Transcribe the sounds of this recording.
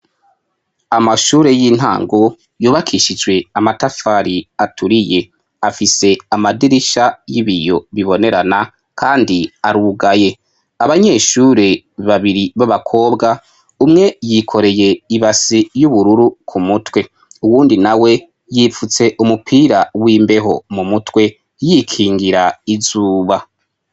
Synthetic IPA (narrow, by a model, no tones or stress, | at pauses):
amaʃuːɾe̞jiːn̥ɦa̰ːŋɡo̞ | juːβakʰiːʃid͡ʒɡwe̞amatafaɾiatʰuɾije̞ | afise̞amadiɾiʃajiβijo̞βiβo̞ne̞ɾana | kʰaːndiaɾuɡaje̞ | aβaɲe̞ːʃuːɾe̞ | βaβiɾiβaβakʰo̞ːbɡa | umŋe̞jikʰo̞ɾe̞je̞iβasijuβuɾuɾukʰumutwe̞ | uwuːndinawe̞ | jifut͡se̞ʔumupʰiːɾawiːmbe̞ɦo̞̰mumutwe̞ | jikʰiːŋɡiɾaizuːβa